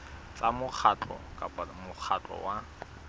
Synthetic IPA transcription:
t͡samʊk͡xʰatɔ̰kʼapamʊk͡xʰat͡ɬʼɔ̰wa

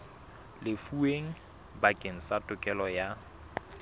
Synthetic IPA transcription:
lɪfueŋ̩ | bakʼeŋ̩satʼʊkʼɛlɔja

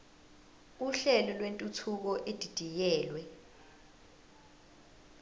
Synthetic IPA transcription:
uɬɛlɔlwentʼutʰuk̬ɔʔed̥ʱid̥ʱijɛːlwɛ

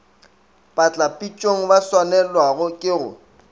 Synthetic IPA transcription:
pʼat͡ɬʼapʼit͡ʃʼoŋ̩baswanɛlwaɣʊkʼɪɣʊ̰

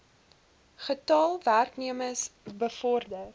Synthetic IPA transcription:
χətɑːlˠværkniəməsbəfɔrdər

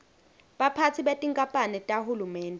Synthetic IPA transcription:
ɓapʰat͡sʰiɓetʼiŋkʼapʼanɛtʼahulumɛːndʱʼɛ

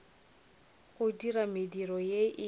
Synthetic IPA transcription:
ɣʊdiramɪdirɔjeʔɪ

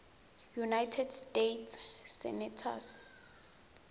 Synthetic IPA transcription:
junajtʰɛdstetʰsːɛ̰nɛtʰa̰s

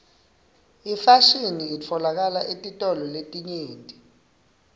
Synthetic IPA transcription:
ifaʃiniːt͡fʰɔlak̬alaʔetʼitʼɔlɔletʼiɲeːntʼi

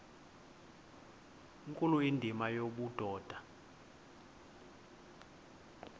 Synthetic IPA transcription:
ŋkʼuluindʱimajoɓud̥ʱɔːd̥ʱa

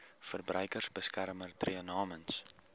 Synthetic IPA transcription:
fərbrœjkərsbəskærmərtriənɑːməns

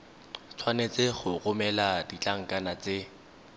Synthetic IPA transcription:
t͡sʰwanet͡seχʊɣʊmɛladit͡ɬʼaŋ̩kʼanat͡se

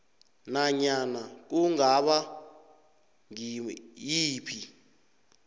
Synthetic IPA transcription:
naɲanak̬uŋaɓa | ŋijiːpʰi

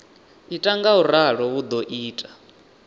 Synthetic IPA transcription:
itʼaŋɡauɾaɺɔwud̪ɔʔiːtʼḁ

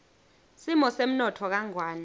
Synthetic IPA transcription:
simɔsem̩nɔtʰɔk̬aŋwaːna

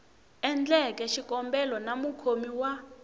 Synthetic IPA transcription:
ɛnd͡ɮɛkɛʃikɔmbɛlɔnamukʰomiwa

